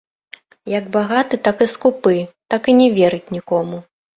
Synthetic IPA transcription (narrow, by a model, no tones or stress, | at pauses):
jɐɡbaɣat̪ɨt̪akɨskupɨt̪akɨnʲɛvʲɛɾɨt͡sʲnʲikɔmu